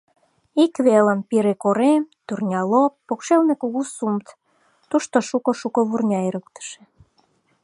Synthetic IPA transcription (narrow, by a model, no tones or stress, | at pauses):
ikβeləmpiɾekoɾemt̪urnʲɑlopːokʃelnekuɣusumt̪ | t̪uʃt̪oʃukŏʃukoβurnʲɑeɾək̚t̪ə̥ʃĕ̥